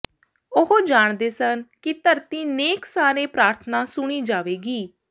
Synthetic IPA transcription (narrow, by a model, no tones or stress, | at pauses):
ʊɦod͡ʒaːɳd̪eːsənkɪt̪əɾt̪iːneːksaːɾẽːpɾaːɾt̪ʰənãːsʊɽ̃iːd͡ʒaːʋeːɡiː